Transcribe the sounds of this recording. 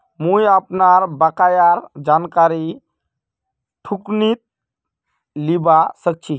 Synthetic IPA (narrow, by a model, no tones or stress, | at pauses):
mujapnaɾbakajaɾd͡ʑankaɾi | ʈʰukniːt̪̚ | libasək̚t͡ɕi